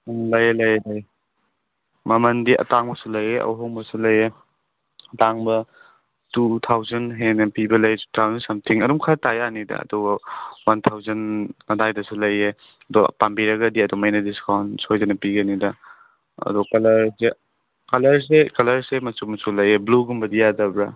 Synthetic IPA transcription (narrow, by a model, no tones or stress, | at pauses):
ŋlɐjelɐjelɐj | mɐmɐndiʔɐ̰taŋbɐsulɐjeʔɐ̰wɦɔŋbɐsulɐje | taŋbɐ | tutʰawzɐnɦenɐpibɐlɐjtu̥tʰawzɐnsɐmtʰiŋɐdɔmkʰatajanidɐ̰ɐ̰dɔwɐwantʰawzɐnɐdajdɐsulɐje | ɐdɔɐ̰pambiɾɐɡɐdiɐdɔwmajnɐdiskawnsojzɐnɐpiɡɐnidɐ | ɐ̰dɔkɐlɐɾse | kɐlɐɾs̬ekɐlɐɾsemɐsumɐsulɐjebluɡumbɐdijadɐbɾɐ